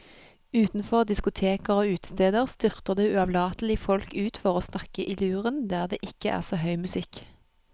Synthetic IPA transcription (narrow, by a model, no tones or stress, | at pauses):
ʉːt̪n̩fɔʁd̪ɪskʊt̪ʰeːkəʁoːʉːt̪ə̥st̪eːd̪əʁst̪ʏʁt̪əʁd̪eːʉɑʋlɑːt̪l̩ɪfɔlkʉːt̪fɔʁoːsnɑkəʔɪlʉːʁənd̪æːʁd̪ḛːʔɪkəʔæ̰ːʁsoːhœʏmʉsɪk